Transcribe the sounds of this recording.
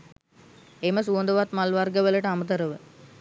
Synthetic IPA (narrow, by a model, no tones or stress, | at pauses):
eməsuond̪əʋat̪malʋarɡəʋələʈəamət̪əɾəʋə